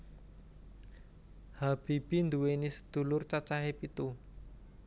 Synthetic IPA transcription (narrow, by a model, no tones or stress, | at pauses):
hab̥i̤b̥i̤nd̪uwenisə̥d̪̥ṳlʊrt͡ʃat͡ʃaɦepit̪u